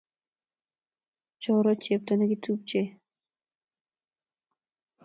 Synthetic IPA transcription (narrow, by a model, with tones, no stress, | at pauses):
t͡ʃɔ˦ɾɔ˦t͡ʃe˨p̚ta˨nɛ˦ɡɪ˦tʰu˦p̚t͡ʃe˦